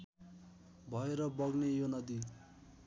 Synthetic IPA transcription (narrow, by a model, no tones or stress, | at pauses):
bʱʌeɾʌbʌɡnejonʌd̪i